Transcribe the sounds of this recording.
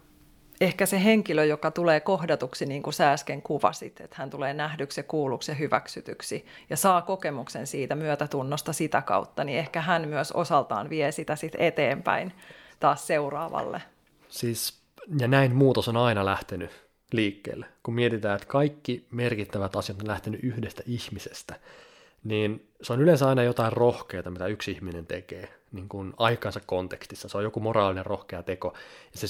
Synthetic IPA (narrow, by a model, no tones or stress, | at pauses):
ehkæseɦeŋkiløjokɑt̪uleːko̞hdɑt̪uksiniːŋkusæːskeŋkuʋɑ̰sit̪et̪hænt̪uleːnæhdyksekuːlukseɦyʋæ̰ksyt̪yksi | jɑsɑːko̞kemuksensiːt̪æmyøt̪æt̪unːost̪ɑsit̪ækɑ̰ut̪ːɑniehkæɦænmyøso̞̰sɑlt̪ɑ̰ːnʋiesit̪æsit̪et̪eːmpæ̰int̪ɑːsseurɑ̰ːʋɑ̰lːḛ | siːs | jɑnæinmuːt̪osonɑinɑlæht̪eny | liːkːḛːlːekummiet̪it̪æːet̪kɑikːimerkit̪ːæʋæt̪ɑsijɑt̪onlæht̪enyʔyhdest̪æʔihmisest̪æ | niːn | seonylẽnsɑinɑjot̪ɑirrohkeːt̪ɑmit̪æyksihminent̪ekeː | niːŋkunɑikˑɑːnsɑkkont̪ekst̪isːɑseojokumorɑːlinerrohkeɑt̪ekojɑse